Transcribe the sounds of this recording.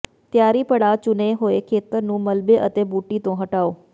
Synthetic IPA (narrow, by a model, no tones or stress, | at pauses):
t̪jaːɾipɐɽat͡ʃʊneɦoːekʰeːt̪əɾnũːmɐlbeʔət̪eːbuːʈit̪õɦɐʈaːoː